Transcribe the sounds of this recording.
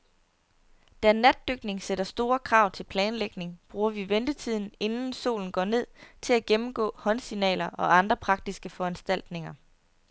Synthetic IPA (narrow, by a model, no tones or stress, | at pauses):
d̥ænæd̥ːøɡ̥ne̝ŋseɾ̥ɐsd̥o̝ːɐkʰʁɑ̈ʊ̰t͡sʰe̝lpʰlɛːnleɡ̥ne̝ŋb̥ʁuːɐʋiʋend̥ət͡sʰið̞̰ˠn̩e̝nn̩so̝̰ːln̩ɡ̥ɒ̰ːne̝ð̰ˠt͡sʰe̝læɡ̥emm̩ɡ̥ɔ̰̽ːhɒ̽nsinɛ̰ːlɐʔɒ̽ɑ̈nd̥ʁɐpʰʁɑ̈ɡ̥̚d̥isɡ̥əfɒ̽ænsd̥æl̰d̥ne̝ŋɐ